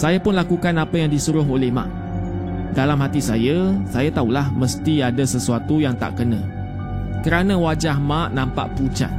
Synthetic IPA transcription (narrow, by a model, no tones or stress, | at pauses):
sajapʊnlakukanapajaŋdisuɾʊɦolɛhmã̰ʔ | dalamɦat̪isajasajat̪aulahmə̃st̪iadasəsuat̪ujaŋt̪a̰ʔkənã | kəɾanãwad͡ʒahmãʔnãmpa̰ʔput͡ʃa̰t̪̚